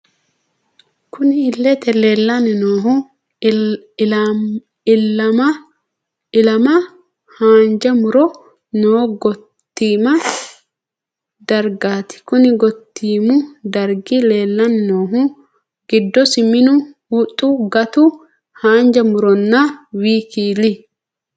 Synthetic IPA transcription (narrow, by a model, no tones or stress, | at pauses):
kʊnɪhɪlːɛt̪ɛleːlːɐnɛnoːɦʊ | lːɐmɐ | ɪlɐmɐ | haːnd͡ʒɐmʊɾɔ | noːɡɔ | t̪ːiːmɐ | d̪ɐɾɡaːt̪ɪ̥kʊnɪɡɔt̪ːiːmʊd̪ɐɾɡɪle̞ːlːɐnɪnoːɦʊ | ɡɪd̪ːɔsɪmɪnʊwʊt̪ʼːʊɡɐt̪ʊ | haːnd͡ʒɐmʊɾɔnːɐwiːkiːli